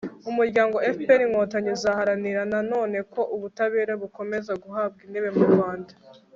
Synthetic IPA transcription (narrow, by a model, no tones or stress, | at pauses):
umuɾɟaːŋɡo̞efpeniŋhoːtaɲezahaɾaniɾanano̞ːne̞kʰo̞ʔuβutaβeːɾaβuko̞me̞zaɡuɦab̚ɡindeβe̞muɾɡwaːndḁ